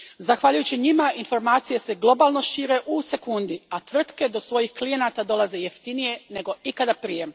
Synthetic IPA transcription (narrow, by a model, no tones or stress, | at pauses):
zaxʋaʎujut͡ɕiɲimainfo̞ɾmaːt̪sije̞se̞ɡlˠo̞baːlˠno̞ʃiːɾe̞ʔuse̞kund̪iat̪ʋr̩t̪ke̞d̪o̞sʋo̞jixklije̞naːt̪ad̪o̞laze̞je̞ft̪inije̞ne̞ɡo̞ikad̪apɾije